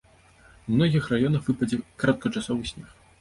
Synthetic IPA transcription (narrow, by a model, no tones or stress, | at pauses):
umnɔɣʲixrajɔnɐxvɨpɐd͡zʲɛkɾat̪̚kɐt͡ʂasɔvɨsʲnʲɛx